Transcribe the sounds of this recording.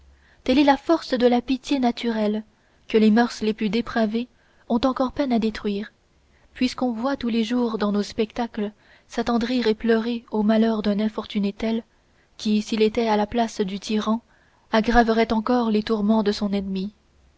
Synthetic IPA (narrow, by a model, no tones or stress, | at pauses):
t̪ɛlɛlafɔʁsd̪əlapit̪jenat̪yʁɛl | kəlemœʁsleplyd̪epχave | ɔ̃t̪ɑ̃kɔʁpɛnad̪et̪χɥiːʁ | pɥiskɔ̃vwat̪uleʒuːʁd̪ɑ̃nospɛkt̪aklə | sat̪ɑ̃d̪ʁiʁeplœʁeomalœʁd̪ɛ̃nɛ̃fɔʁt̪ynet̪ɛl | kʲisilet̪ɛalaplasd̪yt̪ʰiʁɑ̃ | aɡʁavəʁɛt̪ɑ̃kɔʁlet̪uʁmɑ̃d̪əsɔ̃nɛnmi